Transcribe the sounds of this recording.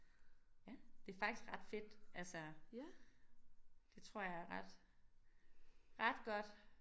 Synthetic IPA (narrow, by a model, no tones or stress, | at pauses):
jæd̥e̝æɐfɑ̈ɡ̥isɡ̥ʁɑ̈d̥fe̝d̥ælsə | d̥e̝t͡sʰʁo̝ɐ̰jɑ̈æɐʁɑd̥ | ʁɑ̈d̥ɡ̥ɒ̽d̥